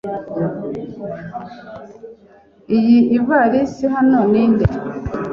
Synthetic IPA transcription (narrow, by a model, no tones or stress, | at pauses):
ijiiβaɾisiɦanonindḛ